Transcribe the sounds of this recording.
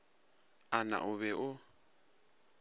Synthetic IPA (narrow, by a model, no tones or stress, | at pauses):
ana̰ʔʊβɛʔʊ